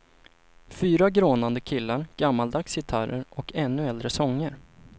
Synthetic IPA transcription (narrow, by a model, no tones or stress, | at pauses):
fyːɾaɡɾoːnand̪əkʰɪlːaɾɡ̥amːald̪akshɪt̪ʰaɾə̰ɾʔɔkʰɛnːɵɛld̪ɾəsɔŋːəɾ